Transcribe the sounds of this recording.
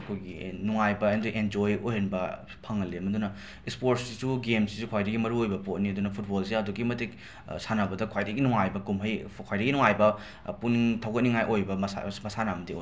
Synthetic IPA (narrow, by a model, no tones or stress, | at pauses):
ɐkʰojɡinuŋajbɐendojʔend͡ʒojojɦɐnbɐ | pʰɐŋːɐlemɐdunɐ | ispoɾt̚ssisuɡemsisukʰwajɾɐɡimɐɾuojbɐpotniɐdunɐpʰut̚bols̬eɐduɡimɐtek̚ | sanabɐdɐkʰwajdɐɡinuŋajbɐkumɦɐjkʰwajɾɐɡinuŋajbɐ | puntʰɐwkɐt̚niŋajʔojbɐma̰mɐsanamɐdio̰